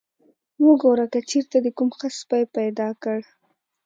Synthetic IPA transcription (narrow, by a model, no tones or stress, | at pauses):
wəɡoɾakat͡ʃeɾt̪ad̪əkumxaspajpajd̪ɑkəɽ